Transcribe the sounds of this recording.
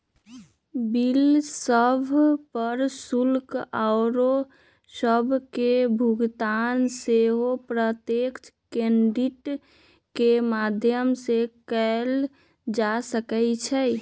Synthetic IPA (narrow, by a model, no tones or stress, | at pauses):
bilsəbʱpəɾsulkaʊɾo | səbʱkebʱuɡt̪anseɦopɾət̪jekt͡ʃʰkeɳɖiʈ | kemad̪ʱjəmsekəl | d͡ʒasəkɛt͡ʃʰɛ